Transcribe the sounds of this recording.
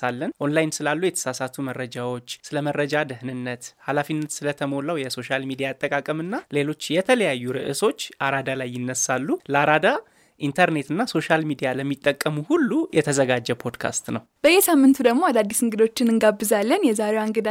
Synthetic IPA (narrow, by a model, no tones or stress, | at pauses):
salːənʔonlajnsɨlalːujɛt̪ʰə̥sasat̪ʰumərːəd͡ʒawo̞t͡ʃːsɨləmərːəd͡ʒad̪ɨhnɨnːət̪halafinːət̪sɨlət̪ʰəmo̞lawjɛso̞ʃalmid̪ijat̪ʼːəkʼakʼəmɨnːale̞lo̞t͡ʃːjɛt̪ʰələjajːuɾɨʔɨso̞t͡ʃːʔaɾad̪alajːɪnːəsalːuləaɾad̪a | ʔint̪ʰəɾne̞t̪ɨnːaso̞ʃalmid̪ijaləmːit̪ʼːəkʼːəmuhulːujɛt̪ʰəzəɡad͡ʒːɛpʰo̞d̪kʰa̰st̪nəwb̥əjːɛsamːɨnt̪ʰud̪əɡmo̞ad̪ad̪ːisɨŋɡɨd̪o̞t͡ʃːɪnɨŋɡabːɨzalːənjɛzaɾewaŋɡɨd̪a